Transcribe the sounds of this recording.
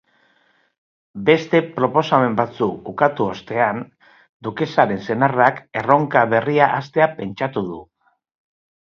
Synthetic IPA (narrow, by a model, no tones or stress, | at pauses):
be̞st̪e̞pɾo̞po̞same̞mbat͡suukat̪uo̞st̪e̞an | d̪uke̞saɾe̞nse̞narake̞ro̞ŋkaβ̞e̞riaʔast̪e̞ape̞nt͡ʃat̪uð̞u